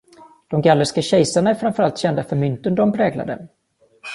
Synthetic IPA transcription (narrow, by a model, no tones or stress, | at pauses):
d̪̥ɔmɡalːəskaɕɛjsaɳaæɾfɾamfœɾalt̪ɕɛnd̪afœɾmʏnt̪ənd̪ɔmpʰɾɛːɡla̰d̪ə̰